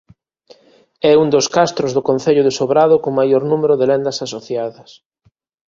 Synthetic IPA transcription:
ɛund̪oskast̪ɾozðʊkõn̟θeʎʊðesoβɾaðʊkomajoɾnumeɾʊðɪlend̪ɐsasoθjaðɐs

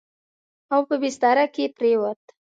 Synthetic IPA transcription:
awpəbɪst̪ɑɾakepɾewat̪

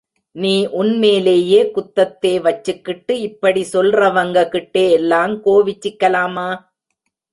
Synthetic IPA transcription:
niːʔʊnmeːleːjeːkʊt̪ːɐt̪ːeːʋɐt͡ʃːɯkːɪʈːɯɪpːɐɽisɔlrɐʋɐŋɡɐkɪʈːeːɛlːaːmkoːʋɪt͡ʃːɪkːɐlaːmaː

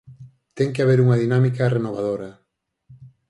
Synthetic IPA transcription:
t̪ɛŋkeaβ̞eɾuŋɐðinamikɐrenoβ̞að̞oɾɐ

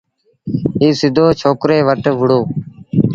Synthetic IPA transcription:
ɦiːsɪd̪ʱoːt͡ʃʰoːkɾeːʋəʈʋʊɽoː

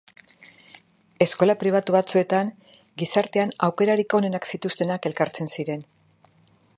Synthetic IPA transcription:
e̞sko̞lapɾiβ̞at̪uβat͡sue̞t̪aŋ | ɡisaɾt̪e̞anawke̞ɾaɾikone̞naksit̪ust̪e̞nake̞lkaɾt͡se̞nsiɾe̞n

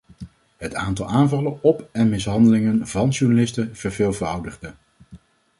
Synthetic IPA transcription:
ɦətaːntɑlˠaːnvɑlənɔpɛnmɪsɦɑndəlɪŋənvɑnʃuɹnalɪstəv̥əɹvɪːlˠvərʌwdəχdə

